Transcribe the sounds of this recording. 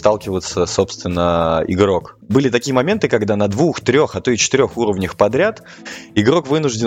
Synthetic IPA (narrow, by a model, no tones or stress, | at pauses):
st̪alˠkʲɪvət̪səso̞pst̪vʲɪnːəɪ̰ɡɾo̞k | bɨlʲɪt̪ɐkʲijəmɐmʲe̞nt̪ɨkɐɡd̪anɐd̪vuxt̪ɾʲo̞xɐt̪ot͡ɕɪ̥t̪ɪɾʲo̞xuɾəvnʲəxpɐd̪ɾʲat̪ | ɪɡɾo̞kvɨnʊʐdʲɪ